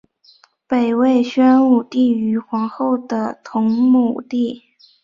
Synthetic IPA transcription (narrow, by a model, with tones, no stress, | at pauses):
pe˨˩ɪwe˥˩ɪɕɥɛ˥nu˥˩t̪i˥˩y˧˥xwɑ˧˥ŋxo˥˩ʊd̪ə˩t̪ʰʊ˧˥ŋmu˨˩t̪i˥˩